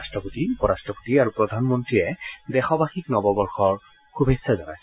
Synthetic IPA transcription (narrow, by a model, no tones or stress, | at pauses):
stɹɔpotipɔɹastɹɔpo̥tiaɹupɹɔdʱanmɔntɹiɛdɛxɔbaxiknɔbɔbɔɹxɔɹ | kubʱesːazɔna̰js